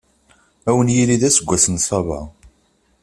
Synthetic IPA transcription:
æwənjiliðæsəɡʷːæsənsˤɑvɑ̰

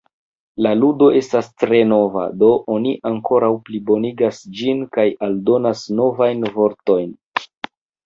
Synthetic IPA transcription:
laludo̞ʔe̞stastɾe̞no̞va̰do̞ʔoniʔaŋko̞ɾawplibo̞niɡasd͡ʒinkajaldo̞nasno̞vajnvo̞ɾto̞jn

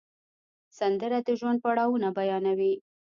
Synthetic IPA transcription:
sand̪əɾad̪əʒwand̪̚paɽɑwunabajɑnawi

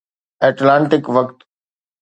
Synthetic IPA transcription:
eːʈlãːɳʈɪkʋɐkt̪

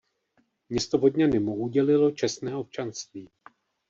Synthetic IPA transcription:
mɲɛst̪o̞ɦodɲanɪmoʔuɟɛlɪlo̞t͡ʃɛsnɛːʔo̞p̚t͡ʃanst̪viː

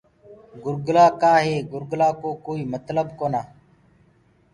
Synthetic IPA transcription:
ɡʊɾɡlaːkaːɦeːɡʊɾɡlaːkoːkoːiːmət̪ləbkoːnaː

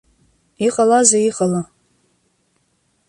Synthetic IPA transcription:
iqʼalazaiqʼala

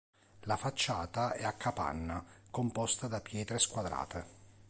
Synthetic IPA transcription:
lafat͡ʃːaːt̪aɛakʰːapa̰nːakompɔst̪ad̪apjɛːt̪ɾeskwad̪ɾa̰ːt̪e

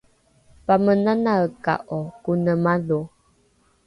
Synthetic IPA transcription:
pamənanaəka̰ʔɔkunəmalu

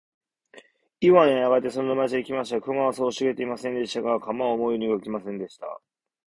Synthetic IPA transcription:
iβaneaɡat̪ːe̞so̞nonamaet͡ɕiaikʲimaɕi̥t̪akɯ̟ŋaβasoːɕiɡe̞t̪e̞imasẽ̞nd̪e̞ɕi̥t̪aɡakʰamaomo̞ijoɲʲiɡaikʲimasẽ̞nd̪e̞ɕi̥t̪a̰

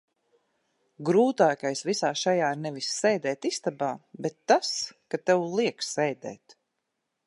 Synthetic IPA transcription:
ɡɾuːt̪aːkajsvisaːʃajaːnɛvisːɛjd̪ɛːt̪ist̪abaːbet̪ːaskat̪ɛwlˠiɛkssɛjd̪ɛ̰ːt̪

